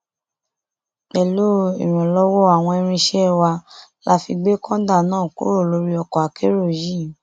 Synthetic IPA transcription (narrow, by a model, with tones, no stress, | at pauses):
k͡pɛ˨lo˦ḭ˨ɾ̃ũ˨lɔ˦wɔ˦a˨w̃ɔ̃˧ɛ˧ɾ̃ĩ˧ʃɛ˦˨wa˧la˦fi˧ɡ͡be˦kɔ̃˦da˦˨nãː˦˨ko̰˦ɾo˦˨lo˧˦ɾi˦ɔ˧kɔ˨a˨ke˦ɾo˦˨ji˦˨